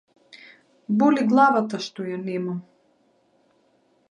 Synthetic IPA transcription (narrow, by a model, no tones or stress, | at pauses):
bɔliɡlˠavat̪aʃt̪ɔjanɛmam